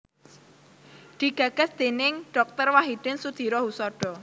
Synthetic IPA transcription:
d̪̥i̤ɡ̥ä̤ɡ̥a̤sd̪̥enɪŋɖ̥ɔk̚t̪ərwaɦid̪̥ɪ̤nsud̪̥i̤ɾɔɦusɔɖ̥ɔ̤

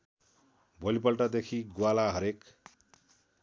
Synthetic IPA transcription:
bʱʌlipʌlʈad̪ekʰiɡwalaɦʌɾek

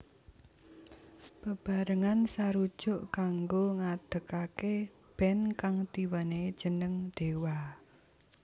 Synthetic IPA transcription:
pəb̥a̤ɾəŋansaɾud̥ʒ̥ʊ̤ʔkaŋɡoŋad̪̥ə̤kake | b̥ɛnkaŋt̪iwaned̥ʒ̥ənəŋd̪̥e̤wa

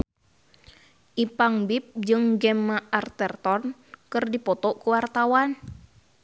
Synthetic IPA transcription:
ʔipaŋbip̚d͡ʒɨŋɡɛmːaart̪ɛrt̪ɔnkɨrdipɔt̪ɔkuwart̪awan

